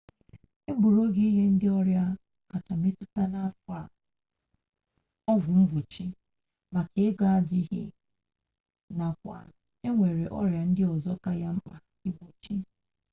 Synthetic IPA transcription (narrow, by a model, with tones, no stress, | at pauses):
e˦bu˨ɾo˦ɡi˦i˦ɦe˦n̩˦dɪ˦ɔ˦ɾja˦ | ka˨ta˨me˦tʊ˦ta˦na˦fa˨ | ɔ˦vʊ˨ŋ͡m̩˦ɡʷo˨t͡ʃi˦ | ma˨ke˨e˦ɡa˦a˨di˦ɦɪ˦ | na˨kʷa̰˨ | e˦ŋʷe˨ɾe˨ʔɔ̰˦ɾja˨n̩˦dɪ˦ɔ˨zɔ˦ka˦ja˦m̩˦k͡pa˨ | i˦ɡo˨t͡ʃi˦